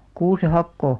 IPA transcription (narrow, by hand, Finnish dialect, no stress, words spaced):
kuːse hɑkːoˑ